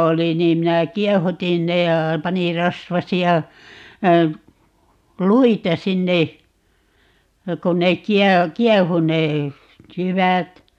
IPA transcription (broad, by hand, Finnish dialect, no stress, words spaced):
oli niːm minæ kiɛhutin ne jɑ pɑnir̆ rɑsʋɑsiɑ luitɑ sinːe jɑ kon nek̆ kiɛ kiɛhu ne jyʋæt